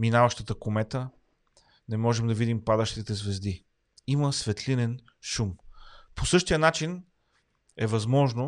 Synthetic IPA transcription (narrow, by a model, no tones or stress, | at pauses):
minavəʃt̪ət̪əkomɛt̪ə | nɛmɔʒɛmd̪ɐvid̪impad̪əʃt̪it̪ɛzvɛzd̪i | iməsvɛt̪linɛn | ʃumposɤʃt̪ijənat͡ʃin | ɛvɐzmɔʒno